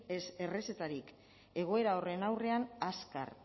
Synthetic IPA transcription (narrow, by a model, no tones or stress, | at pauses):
se̞re̞se̞t̪aɾik | e̞ɣ̞o̞e̞ɾao̞re̞nawre̞anaska̰r